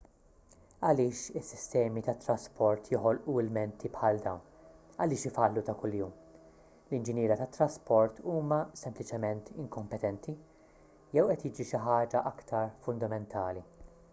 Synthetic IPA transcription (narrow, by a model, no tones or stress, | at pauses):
ɐlɪːʃɪsːɪ̥st̪ɛːmit̪ɐt̪ːɾɐspʰɔɾt̪jɔħɔlʔuɪlmɛnt̪ʰipħɐːld̪ɐwn | ɐlɪːʃɪfɐlːut̪ɐkʊljuːm | lɪnd͡ʒɪnjɪːɾɐt̪ɐt̪ːɾɐspɔɾt̪uːmɐsɛmplɪt͡ʃɛmɛnt̪ɪŋkɔmpɛt̪ɛnt̪ʰi | jɛwʔɛt̪jɪːd͡ʒiʃɪħɐːd͡ʒɐʔɐkt̪ɐɾfʊnd̪ɐmɛnt̪ʰɐːli